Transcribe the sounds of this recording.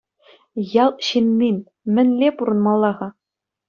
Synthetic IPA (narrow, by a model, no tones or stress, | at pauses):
jɑlˠɕinʲːinʲ | mʲɘ̆nʲlʲepuɾɤ̆nmɑlˠːɑʁɑ